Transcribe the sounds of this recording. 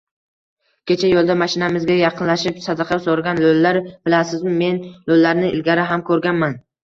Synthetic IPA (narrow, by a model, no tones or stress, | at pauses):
kʲʰe̞t͡ʃʰajolˠd̪amaʃɪnamɪzɡʲajɑqʰɨnlaʃɪpsad̪ɑqʰɑsoɾɡʲanlolːaɾb̥ɪlasɪzmɪme̞nlolːaɾnɪʔɪ̰lɡʲaɾɪɦamkʰɵɾɡʲanman